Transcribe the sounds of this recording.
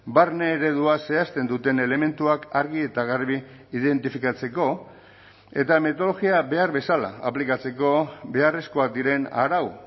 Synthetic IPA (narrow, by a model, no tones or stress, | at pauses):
baɾneːɾe̞ðuase̞ast̪e̞nd̪ut̪e̞ne̞le̞me̞nt̪uakaɾɣie̞t̪aɣ̞aɾβiː | ðe̞nt̪ifikat͡se̞ko̞ | e̞t̪ame̞t̪o̞lo̞ɣiabe̞aɾβe̞sala̰ːplikat͡se̞ko̞be̞are̞sko̞ak̚d̪iɾe̞na̰ɾaw